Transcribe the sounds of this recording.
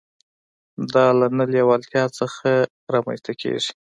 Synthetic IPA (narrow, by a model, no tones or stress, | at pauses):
d̪ɑlanaljawɑlt̪jɑt͡səxa | ɾɑma̰nst̪akʰḛʐi̥